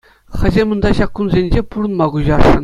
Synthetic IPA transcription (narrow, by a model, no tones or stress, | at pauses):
χʲɘ̆zʲemɤ̆nd̪ɑɕɑkːunzʲenʲd͡ʑepuɾɤ̆nmɑɡuʑɑrʂɤ̆n